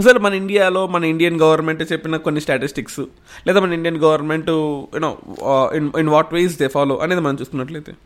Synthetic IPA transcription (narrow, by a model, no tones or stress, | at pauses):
ɐsɐlmɐnɐiɳɖijaːlo̞ːmɐnɐiɳɖijɐnɡɐʋɐɾnme̞ɳʈt͡ʃepːinɐkonːisʈaːʈisʈiksu | lɛːd̪aːmɐnɐiɳɖijɐnɡɐʋɐɾnme̞ɳʈujunoːininʋaːʈʋeːsd̪eːpaːlo̞ːʔɐneːd̪imɐnɐmt͡ʃuːst̪unːɐʈ̬leːt̪u